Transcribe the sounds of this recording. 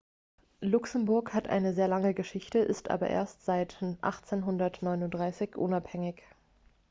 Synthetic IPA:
lʊksəm̩bʊɐkhatʔa̰ɪnəzeːɐlaŋəɡəʃɪçtəʔɪstʔa̰ːbɐ̰ʔḛːɐstz̥aɪtʔa̰χt͡seːnɦʊndɐtnɔʏnʊntd̥ʁaɪsɪçʔʊnaphɛŋɪç

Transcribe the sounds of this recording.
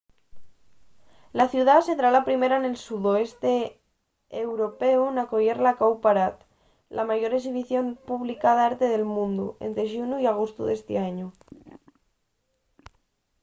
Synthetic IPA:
laθjuð̞asent̪ɾalapɾimeɾane̞lsuðoest̪e | ewɾopeunakoʝeɾlakawpaɾat̪ | lʔamaʝo̞ɾeksiβ̞iθjo̞mpuβlikaðaeɾt̪e̞ðe̞lmũnd̪ṵḛnt̪ɾeʃunuiaɣ̞ost̪ṵðest̪eaɲu

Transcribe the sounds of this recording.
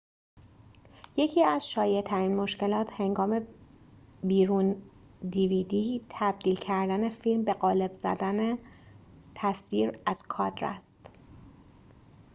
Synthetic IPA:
je̞cʰiːæz̥ʃɒːjet̪ʰæɾiːnmo̞ʃce̞lɒːt̪he̞ŋɡɒːme̞ | biːɾuːn | d̪ivid̪iːt̪ʰæb̚d̪iːlcʰæɾd̪æne̞fiːlmbe̞ɢɒːle̞bz̥æ̰d̪æne | t̪ʰæsviːɾæz̥kʰɒːd̪ɾæ̰st̪

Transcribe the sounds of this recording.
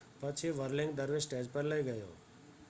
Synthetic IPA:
pət͡ʃʰiʋəɾlɪ̃ŋɡd̪əɾʋesʈed͡ʒpəɾləjɡəjo̰

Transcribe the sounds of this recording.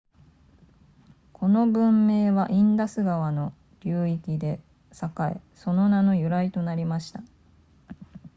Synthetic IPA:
kʰo̞no̞bɯ̟̃mːe̞ːβaʔĩnd̪asɨɡaβano̞ | ɾʲɯːikʲid̪e̞ | sakaḛ | so̞no̞nano̞jɯ̟ɾait̪o̞naɾʲimaɕi̥t̪a

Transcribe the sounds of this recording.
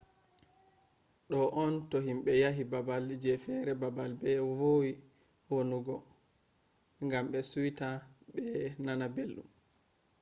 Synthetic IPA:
ɗɔʔɔntɔɦimɓɛjaɦibabald͡ʒɛfɛɾɛbabalbɛwowi | wonuɡɔ | ŋɡamɓɛsuwitaɓɛnanabelːṵm

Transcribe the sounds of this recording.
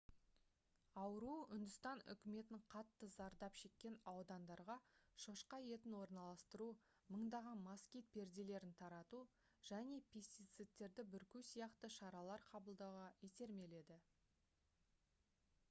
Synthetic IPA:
ɑwəɾuʏnd̪ʏst̪ɑnʏ̰kʲɪme̞t̪ɪɴqʰɑt̪ːəzɑɾd̪ɑpʃe̞kʲːe̞nɑwd̪ɑnd̪ɑɾʁɑʃoʃqɑje̞t̪ɪnwo̞ɾnɑlˠɑst̪əɾu | məɴd̪ɑʁɑnmɑskʲijt̪̚pʰe̞ɾd̪ele̞ɾɪnt̪ʰɑɾɑt̪u | ʒ̥æne̞pʲʰe̞st̪it̪sɨt̪ːe̞ɾd̪ɪbʏɾkʲusijɑqt̪əʃɑɾɑlˠɑɾqʰɑbəlˠd̪ɑwʁɑjet̪e̞ɾme̞le̞d̪ɪ

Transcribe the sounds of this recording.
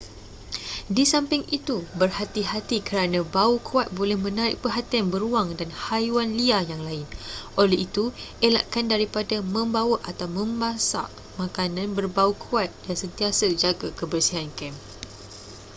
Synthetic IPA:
disampɪŋit̪ubərhat̪iɦat̪ikəɾanãbaukʰuat̪̚bolɛhmə̃naɾɪʔ̚pəɦat̪ianbəɾuaŋdanhajuanliajaŋlaɪnʔolɛɦit̪uʔela̰ʔkandaɾipadamə̃mbawaʔat̪awmə̃mbasa̰ʔ | mãkanãnbərbaukʰuat̪̚jaŋsənt̪iasəd͡ʒaɡakəbərsiɦankɛm

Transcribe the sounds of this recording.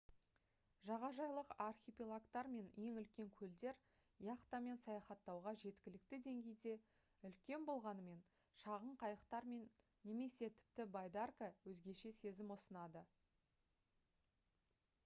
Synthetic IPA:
ʒɑʁɑʒɑjlˠəqarxʲipʲilˠakt̪ɑɾme̞nje̞ŋʏlkʲe̞ŋkʲʰɵld̪e̞ɾ | jɑqt̪ɑme̞nsɑjɑχɑt̪ːɑwʁɑʒe̞t̪kʲɪlɪk̚t̪ɪd̪e̞ŋɡʲe̞jd̪e̞ | ʏlkʲe̞nbo̞lˠʁɑnəme̞n | ʃɑʁəɴqʰɑjəqt̪ɑɾme̞nː | e̞me̞se̞t̪ʰɪ̥p̚t̪ɪbajd̪arkəwɵzɡʲe̞ʃe̞se̞zɪmwosənɑd̪ə

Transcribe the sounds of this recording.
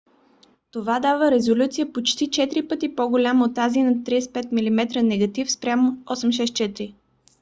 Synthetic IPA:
t̪ovad̪avəɾɛzolʲut̪sijəpot͡ʃt̪it͡ʃɛt̪ɾipɤt̪ipoɡolʲamot̪ːazinɐt̪ɾiɛspɛt̪̚milimɛt̪ɾənɛɡɐt̪ifspɾʲamoɔsɛmʃ̬ɛst̪̚t͡ʃɛt̪ɾi

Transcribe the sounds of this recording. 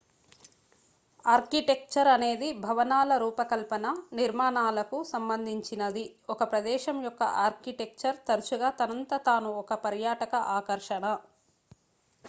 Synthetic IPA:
aːɾkiʈe̞k̚t͡ʃɐɾɐne̞ːd̪ibʱɐʋɐnaːlɐɾuːpɐkɐlpɐnɐniɾmaːnaːlɐkusɐmbɐnd̪ʱiɲt͡ʃinɐd̪iɔkɐpɾɐd̪ɛːʃɐmjɔkːɐ̰ʔaːɾkiʈek̚t͡ʃɐɾt̪ɐɾut͡ʃuɡaːt̪ɐnɐnt̪ɐt̪aːnuɔkɐpɐɾjaːʈɐkɐʔaːkɐɾʂɐɳɐ

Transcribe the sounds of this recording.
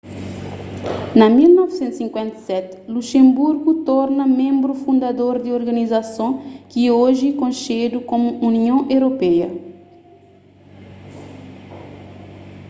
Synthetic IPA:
nɐmilnɔvsẽnt̪usĩŋkwẽnt̪ɐ̥sɛt̪ | luʃẽmbuɾɡut̪ɔɾnɐmẽmbɾufũnd̪ad̪oɾd̪ioɾɡɐnizasõkioʒikõnʃed̪ukõmuuniõʔewɾopɛjɐ

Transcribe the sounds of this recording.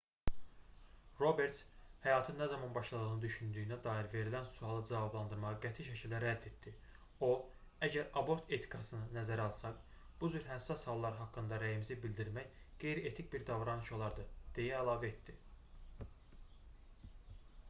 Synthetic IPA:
ɾo̞be̞ɾt̪shæjɑːt̪ʰɯnnːæzɑmɑnbɑʃlˠɑd̪ɯɣnɯd̪yʃynd̪yjynæd̪ɑːiɾve̞ɾilænsuɑlˠɯd͡ʒɑvɑblˠɑnd̪ɯɾmɑʁɑɡæt̪ʰiʃæcʰild̪æɾæd̪ːe̞t̪̚d̪i | o̞ | æɟæɾɑbo̞ɾt̪ʰe̞t̪ʰi̥kʰɑsɯnɯnæzæɾɑlˠsɑk | b̥uzyɾɦæsɑshɑlˠːɑɾɯɦɑkːɯnd̪ɑɾæjimzibilʲd̪iɾmæçɡ̥e̞jɾiet̪ʰic̚biɾd̪ɑvɾɑnɯʃo̞lˠɑɾd̪ɯd̪̥e̞jæːlˠɑːvæet̪d̪i

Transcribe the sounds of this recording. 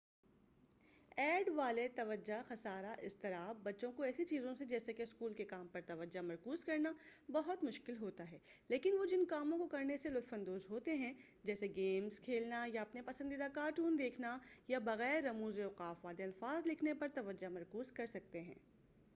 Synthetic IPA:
ɛːɖʋaːlet̪ɐʋəd͡ʒaxɐsaːɾaʔɪst̪ɐɾaːbbɐtːʃõkoɛːsit͡ʃiːzõsed͡ʒɛːsekeɪskuːlkekaːmpɐɾt̪ɐʋəd͡ʒamɐɾkuːzkɐɾnabɐɦʊt̪mʊʃkɪlɦoːt̪aɦɛːleːkɪnʋod͡ʒɪnkaːmõkokɐɾneselʊt̪fə̃nd̪oːzɦoːt̪eɦɛ̃ | d͡ʒɛːseɡeːmzkʰeːlnajaɐpnepɐsə̃nd̪id̪akaːʈuːnd̪eːkʰnajabɐɣɛːɾːɐmuːzeʊqaːfʋaːleɐlfaːzlɪkʰnepɐɾt̪ɐʋɐd͡ʒamɐɾkuːzkɐɾsɐk̚t̪eɦɛ̰̃ː

